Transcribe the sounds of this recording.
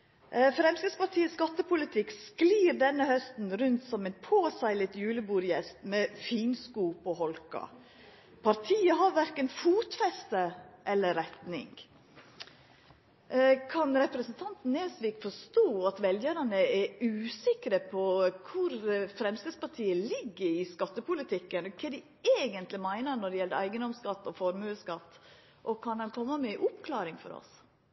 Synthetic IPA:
fɾɛmskəspɑɾʈʰiːəsɡɑt̪ːəpʰʊlɪt̪ʰɪkskliːɾd̪ɛnːəhœst̪n̩ɾʉnt̪sɔmɛnpʰoːsɑɪlət̪jʉːləbuːɾjɛst̪mɛfiːnskuːpɔhɔlkɑ̰ | pʰɑɾt̪ʰiːəɦɑɾʋæɾkənfuːt̪fɛst̪əʔɛlːəɾɛt̪nɪ̰ŋɡ | kʰɑnɾɛpɾəsnt̪ʰɑnt̪n̩ːeːsʋiːkfɔʂt̪oːɑt̪ʋɛljəɾɑnəɛɾʉːsɪkɾəpʰɔkʰʊɾfɾɛmst̪ɛspɑɾʈʰiːəlɪɡːəɾɪskɑt̪ːəpʊlɪt̪ʰɪkːənɔkʰɛd̪ɪ | eːɡənt̪lɪmæɪnəɾnɔɖɛjɛlːəɾæɪɡənd̪ɔmskɑt̪ːɔfɔɾmʉːskɑt̪ː | ʔɔkʰɑnɑnkʰɔmːəmɛʔʊpkʰlɑːɾɪŋfɔ̰ɾɔ̰s

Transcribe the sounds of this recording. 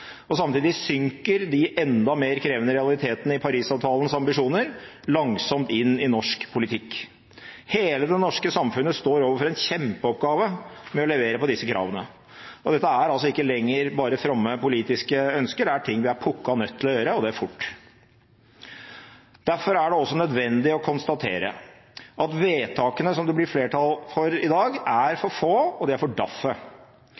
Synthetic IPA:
ɔsɑmt̪iːd̪ɪsʏŋkəɾd̪ɪʔɛnd̪ɑmeːɾkʰɾeːʋənəɾɛɑlɪt̪ʰeːt̪ənəɪpʰɑɾiːsɑːʋt̪ʰɑːlənsɑmbɪʂuːnəɾ | lɑŋsɔmt̪ɪnːɪnɔʂkpʰʊlɪt̪ʰɪkː | heːləd̪ɛnɔʂkəsɑmfʉnːəst̪oːɾoːʋəɾfɔɾɛnçɛmpəɔpɡɑːʋəmɛɔlɛʋeːɾəpɔd̪ɪsːəkʰɾʔɑ̰ːʋənə | ɔd̪ɛt̪ːəæɾɑls̬ɔɪkːəlɛŋːəɾbɑːɾəfɾɑmːəpʊliːt̪ɪskəœnskəɖæʈʰɪŋːʋɪæɾpʰʊkːɑnœt̪ʰːɪlɔjøːɾəɔd̪ɛæɾfʊʈː | d̪̥æɾfɔɾæɖɛɔsːɔnœd̪ʋɛnd̪ɪɔkʰʊnst̪ɑt̪ʰḛːɾə̰ | ʔɑt̪ʋeːt̪ʰɑːkənəsɔmd̪ɛblɪɾfleːʈʰɑlfɔɾɪd̪ɑːɡæɾfɔɾfoːɔd̪ɛæɾfɔɖɑfːə

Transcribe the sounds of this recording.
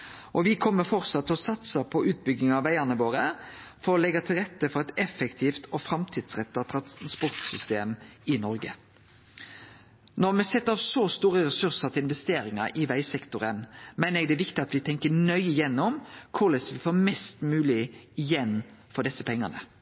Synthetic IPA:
ʔɔʋɪkʰɔmːəfɔɾsɑt̪ʰːlɔsɑt̪səpʰɔʔʉːt̪̚bʏɡnɪŋɑʋæɪænəʋoːɾəfɔɾɔlɛɡɑt̪ʰɪlʁɛt̪ːəfɔɾɛt̪ɛfːɛkt̪ʰiːft̪ɔfɾɑmt̪ʰiːd̪̥sʁɛt̪ːəɑt̪ʰɾɑspɔɾt̪sʏst̪eːmɪnɔɾɡə | nɔɾmɛsɛt̪ːəɾɑʋsɔst̪uːɾəɾɛsʉɾsəɾt̪ʰɪlɪnʋɛst̪eːɾɪŋɑ̰ʔɪʋæɪsɛkt̪ʊɾənmɛnəɛɡd̪ɛːʋɪkt̪ɪɑt̪ʋɪt̪ʰɛŋkənœʏɪjɛnːʊmkʰʊɾlɛsʋɪfoːmɛst̪mʉːlɪɪjɛnːfɔd̪ɛsːəpʰɛŋːɑnə̰

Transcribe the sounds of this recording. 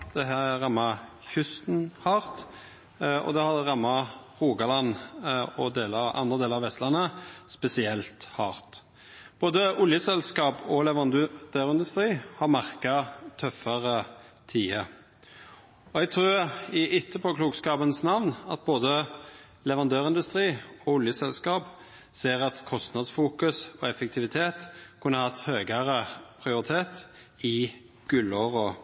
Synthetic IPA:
d̪̥ɛɦæːæʁɑmːɑ | çʉst̪n̩hɑːɾt̪ | ɔ̰d̪ɛhɑd̪ɛʁɑmːɑʁuːɡɑlɑnːɔd̪eːləɑʔɑ̰nd̪ʁəd̪eːləɾɑʋɛst̪lɑnːəspɛsɪɛlt̪hɑːɾt̪ | b̥oːd̪əʔʊljəsɛlskɑːpɔlɛʋɑnd̪ʉd̪̥øːɾɪnd̪ʉst̪ɾiːhɑɾmæʁkɑt̪ʰœfəɾət̪ʰiːə | ɔɛɡ̚t̪ʰɾʉːʁɪʔɪt̪ʰːəpʰɔkluːɡskɑːbənsnɑʋnɑ̰t̪̚boːd̪ə | lɛʋɑnd̪øːʁɪnd̪ʉst̪ʁiːɔʊljəsɛlskɑːp | seːʁɑt̪kʰɔst̪nɑd̪sfuːkʉsɔɛfɛk̚t̪ʰɪʋɪt̪ʰeːt̪kʰʉnːəhɑt̪ːhøːɡəɾəpʰʁɪʊɾɪt̪ʰeːt̪ | ɪ | ɡ̥ʉlɔʁɔ

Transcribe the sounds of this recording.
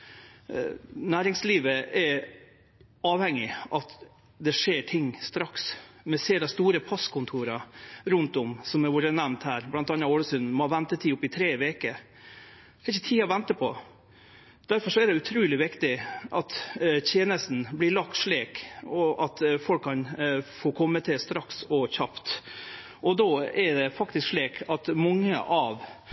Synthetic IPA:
næːɾɪŋsliːʋəɛɾ | ɑːʋhɛŋːɪʔɑt̪ | d̪ɛʂeːʈʰɪŋːst̪ɾɑksmɛseːd̪ɑst̪uːɾəpʰɑskʰʊnt̪ʰuːɾɑɾʉnt̪ʊmsɔmɛɾʋʊɾənæʋnt̪hæːɾblɑnt̪ɑnːɑoːɽəsʉnmɔʋɛnt̪ət̪ʰiːʊpːɪt̪ʰɾeːʋeːkə | ɪçət̪ʰiːɑʋɛnt̪əpʰɔ | d̪̥æɾfɔʂɔæɖ̪ɛʉt̪ʰɾʉːlɪʋɪkt̪ɪʔɑt̪t̪ʰjeːnəst̪n̩blɪɭɑk̚t̪ʂɭeːkɔʔɑt̪fɔlkʰːɑnfoːkʰɔmːət̪ʰɪlst̪ɾɑksɔçɑpt̪ | ʔɔd̪oːɛɾɖɛfɑkt̪ɪskʂɭiːkʰɑt̪mɑŋːə̰ʔɑʋ

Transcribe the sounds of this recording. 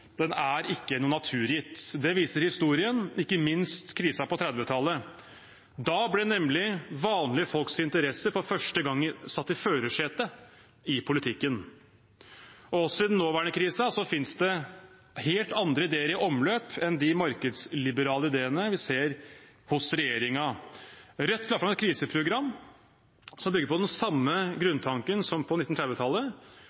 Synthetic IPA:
d̪ɛnæɾɪkːənuːnɑt̪ʰʉːɾjɪt̪ːd̪ɛʋiːsəɾhɪst̪uːɾɪənɪkːəmɪnst̪kʰɾiːsɑpɔt̪ʰɾɛd̪ʋət̪ʰɑlːə | d̪ɑːblɛnɛmlɪʋɑːnlɪəfɔlksɪnt̪əɾɛsəɾfɔɾfœʂʈəɡɑŋːsɑt̪ːɪføːɾəʂeːt̪ə | ɪpʰʊlɪt̪ʰɪkːən | ɔɔsːɔɪd̪nːoːʋæːɳəkʰɾiːsɑsɔfɪnsd̪ɛ | heːlt̪ɑnd̪ɾəɪd̪eːəɾɪʔɔmløːpɛnd̪ɪmɑɾkəd̪slɪbəɾɑːləɪd̪eːənəʋɪseːɾ | hʊsɾɛjeːɾɪŋɑ | ɾɛt̪ːlɑːfɾɑmɛt̪̚kʰɾiːsəpʰɾʊɡɾɑmː | sɔmbʏɡːəɾpɔd̪ɛnsɑmːəɡɾʉnt̪ʰɑŋkənsɔmpʰɔnɪt̪ːn̩ʰɾɛd̪ʋɪt̪ʰɑlːə

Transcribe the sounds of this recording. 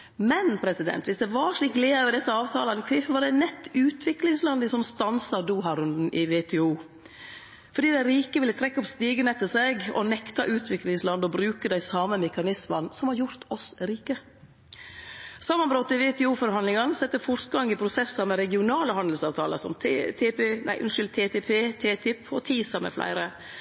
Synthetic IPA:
mɛnpʰɾɛsɪd̪ɛ̰nt̪ʋɪsd̪ɛʋɑɾʂɭiːkleːøʋəɾd̪ɛsːəɑːʋt̪ʰɑːlɑnkʰʋɪfʋɑɾɖɛnɛt̪ːʉːt̪ʰʋɪklɪŋslɑnd̪əsɔmst̪ɑnsɑɾd̪uːɦɑɾʉnd̪n̩ʔɪʋet̪ʰɛuː | fɔɾɖiːd̪æɪɾiːkəʋɪlːət̪ʰɾɛkːɔpst̪iːɡənɛt̪ːəsɛɡɔ̰nɛkt̪ɑʔʉːt̪ʰʋɪklɪŋslɑnd̪ɔbɾʉːkəd̪æɪsɑːməmɛkɑnɪsmɑnsɔmhɑɾjʊɾt̪ʰɔsɾiːkə | sɑmːɑnbɾɔt̪ːɪʋeːt̪ʰɛːuːfɔɾɦɑnd̪lɪŋɑnsɛt̪ːəfɔɾt̪ɡɑŋɪpʰɾʊsɛsɑɾmɛɾɛɡɪʊnɑːləhɑnd̪l̩sɑːʋt̪ʰɑːlə̰ɾsɔ̰mʰt̪ʰepeːnæ̰ɪʔʉnʃʏlt̪ʰeːt̪ʰɛpʰeːt̪ʰeːt̪ʰɪpʰːɔt̪ʰiːsɑɾmɛ̰flæ̰ɪɾə

